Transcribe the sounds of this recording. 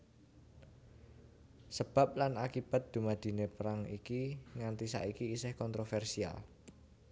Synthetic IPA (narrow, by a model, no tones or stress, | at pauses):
səb̥a̤p̚lanakib̥a̤t̪̚d̪̥ṳmad̪̥i̤nepəɾaŋikiŋant̪isa̰ikiːsɪhkɔnt̪ɾofɛrsia̰l